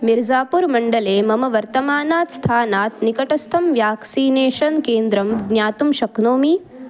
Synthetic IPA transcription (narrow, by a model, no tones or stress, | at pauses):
miɾd͡ʒaːpuɾmɐɳɖɐleːmɐmɐʋɐɾt̪ɐmaːnaːt̪st̪ʰaːnaːt̪nikɐʈɐst̪ʰɐmʋjaːksiːneːʃɐnkeːnd̪ɾɐmɡnjaːt̪umʃɐknoːmi